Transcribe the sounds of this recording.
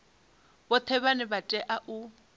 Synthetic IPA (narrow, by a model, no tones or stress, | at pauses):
bɔt̪ʰɛβanɪbatʼɛʔaʔʊ